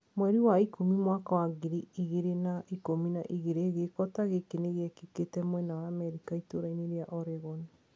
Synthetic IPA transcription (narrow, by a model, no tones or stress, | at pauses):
mwɛɾiwaikomimwakawaɣeɾiiɣeɾenaikomina̰ʔiɣeɾeɣekɔtaɣekeneɣeɛkeketɛmwɛnawaːmɛɾikaitoɾaineɾeaʔɔɾɛɣɔni